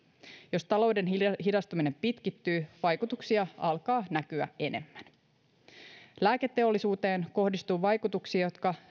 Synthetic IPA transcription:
jo̞st̪ɑlo̞wde̞nɦidɑst̪umine̞mpit̪kit̪ːyːʋɑjkut̪uksiɑɑlkɑːnæk̟yæe̞ne̞̰mːæn | læːke̞t̪ːe̞o̞lːisuːt̪e̞ːnko̞hdist̪uːʋɑjkut̪uksiɑjo̞t̪kɑ

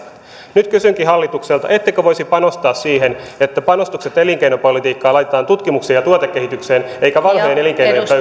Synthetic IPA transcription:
nyt̪kysyŋkiɦɑlːit̪ukselt̪ɑ̰ʔe̞t̪ːekøʋojsipɑno̞st̪ɑːsːiːenet̪ːæpɑno̞st̪ukse̞t̪eliŋkeinopolit̪iːkːɑːlɑjt̪et̪ɑːnt̪ut̪kimukseːjɑt̪uot̪ekːe̞ɦit̪ykseːneikæʋɑnho̞jene̞liŋkejnojepø

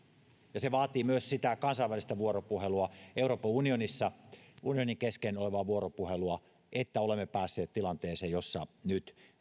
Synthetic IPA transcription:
jɑseʋɑːt̪iːmyøssit̪ækɑnsɑiʋælist̪æʋuoropuheluɑeuroːpɑunionisːɑunioniŋkeskenoleʋɑːʋuoropuheluɑ | ʔet̪ːæolemːepæːsːeːt̪t̪ilɑnt̪eːseːjosːɑnyt̪

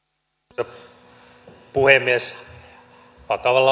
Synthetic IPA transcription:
e | puhemːies | pɑkɑʋɑlːɑ

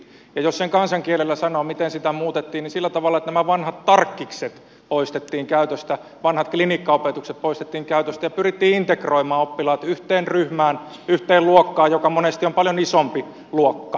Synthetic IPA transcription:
jɑjosseŋkɑnsɑŋkielelːæsɑnoːmit̪ensit̪æmuːt̪et̪ːiːnnisilːæt̪ɑʋɑlːɑet̪næmæʋɑnhɑt̪t̪ɑrkːikset̪ | poist̪et̪ːiːŋkæyt̪øst̪æ | ʋɑnhɑt̪̚klinikːɑopet̪ukset̪̚poist̪et̪ːiːŋkæyt̪øst̪æjɑpyrit̪ːiːint̪ekroimɑːopːilɑːt̪yht̪eːnryhmæːn | yht̪eːlluokːɑːjokɑmonest̪iompɑljonisompi | luokːɑ

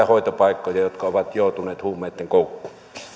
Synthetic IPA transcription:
æhoˑit̪opɑˑikːojɑjot̪kɑoʋɑt̪joˑut̪uneːt̪huːmːˑeˑːt̪ːeŋkoˑukːu̥

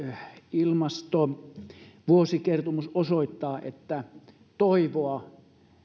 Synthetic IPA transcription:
ilmɑst̪o | ʋuosikert̪omusosoit̪ːɑːʔḛt̪ːæ | t̪oiʋoɑ

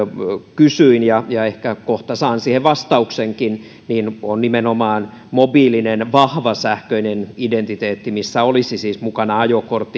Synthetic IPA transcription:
kysyinjɑjɑehkækoht̪ɑsɑːnsiːheʋʋɑst̪ɑukseŋkin | niːnonnimenomɑːn | mobiːlinenʋɑhʋɑsæhkøinenident̪it̪eːt̪ːimisːæolisisiːsmukɑnɑɑjokort̪ːi

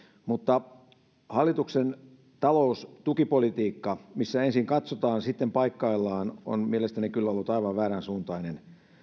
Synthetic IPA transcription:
mut̪ːɑ | hɑlːˑit̪uksen | t̪ɑloust̪ukipolit̪iːkːɑmisːæensiŋkɑt̪sot̪ɑːnsit̪ːempɑikːɑilːɑːno̰nmielest̪ænikylːolːut̪ɑiʋɑʋʋæːɾænsuːnt̪ɑinen

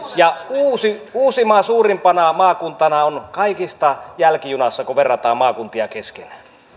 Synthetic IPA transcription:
jɑuːsiuːsimɑsuːrimpɑnɑmɑːkunt̪ɑnɑonkɑikist̪ɑjælkijunɑsːɑkoʋerːɑt̪ɑːmmɑːkunt̪iɑkeskenæ

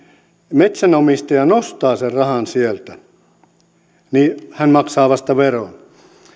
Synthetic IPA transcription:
met̪sænomist̪ɑjɑnost̪ɑːserrɑhɑnsielt̪æ | nihænmɑksɑːʋɑst̪ɑʋeron

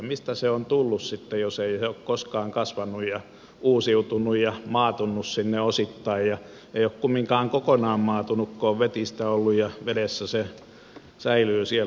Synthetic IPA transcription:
mist̪æseont̪ulːussit̪ːejoseieokkoskɑːŋkɑsʋɑnːˑujjɑ | uːsiut̪unːujjɑmɑːt̪unːussinːeosit̪ːɑijjɑ | eiokkumːiŋkɑːŋkokonɑːmmɑːt̪unukkoːʋʋet̪ist̪æolːujjɑʋedesːæse | sæilyːsiel

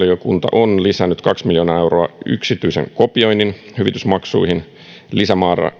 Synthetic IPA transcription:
liokunt̪ɑ̰ʔonlisænːyt̪kɑksmiljonɑːe̞wro̞ɑy̰ksit̪yisḛŋko̞pio̞jnːin | hyʋit̪ysmɑksṵihin | lisæmɑːrɑ̰

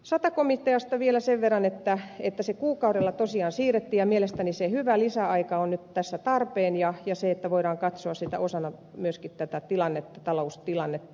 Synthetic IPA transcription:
sɑt̪ɑkomit̪ːeɑst̪ɑʋielæseʋʋerːɑnet̪ːæet̪ːæsekuːkɑuɾelːɑt̪osiɑːnsiːret̪ːiːjɑmielest̪ænisehyʋælisæɑikɑonnyt̪t̪æsːæt̪ɑrpeːnjɑjɑseet̪ːæʋoiɾɑːŋkɑt̪soɑssit̪æ̰osɑnɑ | myøskit̪t̪æt̪æt̪ilɑnːet̪ːɑ̥t̪ɑloust̪ilɑnːet̪ːɑ

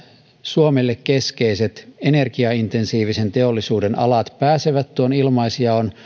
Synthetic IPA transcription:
suomelːekke̞skeise̞t̪enerkiɑint̪ensiːʋise̞nt̪e̞olːisuːdenɑ̰lɑt̪pæːseʋæt̪t̪ːuonilmɑisiɑon

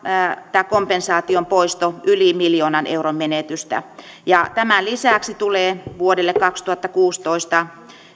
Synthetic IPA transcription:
t̪æːkompensɑːt̪iompoist̪oylimiljoːnɑnʔḛurommenet̪yst̪æ̰ | jɑt̪æmælisæˑksit̪uleːʋuodelːekkɑkst̪uhɑt̪ːɑkuːst̪oist̪ɑ

